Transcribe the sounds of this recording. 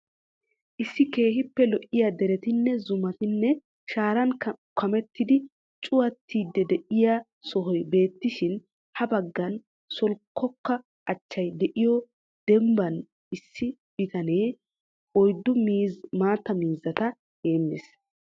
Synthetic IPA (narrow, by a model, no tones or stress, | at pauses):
ʔɪsːɪke̞ːɦɪpːɛlɔʔɪjad̪ɛɾɛt̪ɪnːɛzʊmɐt̪ɪnːɛ | ʃaːɾɐnkʰɐmɛt̪ːɪd̪ɪ | t͡ʃʼʊwɐt̪ːiːd̪ːɛd̪ɛʔɪja | sɔɦɔjbe̞ːt̪ːɪʃɪn | hɐbɐɡːɐn | sɔlkʰːɔkːɐ | ʔɐt͡ʃːɐjd̪ɛʔɪjɔ | d̪̥ɛmbɐn | ʔɪsːɪb̥ɪt̪ɐne̞ː | ɔjd̪ːʊmːmaːt̪ːɐmiːzɐt̪ɐ | heːnːes